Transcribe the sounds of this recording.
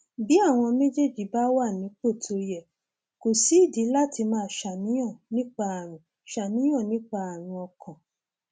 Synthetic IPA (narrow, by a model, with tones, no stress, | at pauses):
bi˨˦a˦˨w̃ɔ̃˧me˦d͡ʒe˦˨d͡ʒi˨˦ba˦wa˦˨nĩ˨˦k͡po˦˨tʰo˧jɛ˨ | ko˨si˨˦i˦˨di˨˦la˦tʰi˧mãː˦˨ʃa˨nĩ˨˦j̃ã˦˨nĩ˦k͡pa˧a˨ɾ̃ũ˨ | ʃa˨nĩ˨˦j̃ã˦˨nĩ˦k͡pa˧a˨ɾ̃ũ˧ɔ˧kʰã˨